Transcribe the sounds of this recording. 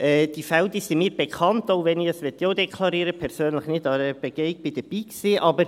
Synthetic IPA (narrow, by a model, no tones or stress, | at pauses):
ʔɛd̥ifɛldisimiːɾbekʰɑntoʊʋɛniəsʋɛt̪joːdɛkʰlɑɾiːɾəpʰɛɾsøːnləχnɪdɑɾəb̥eɡ̥eɪɡ̚bɪd̥əb̥iːksiːʔɑbəɾ